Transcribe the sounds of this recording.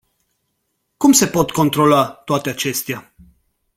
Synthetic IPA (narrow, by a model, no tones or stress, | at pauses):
kumse̞po̞t̪ko̞nt̪ɾo̞loat̪oat̪eat͡ʃe̞st̪ea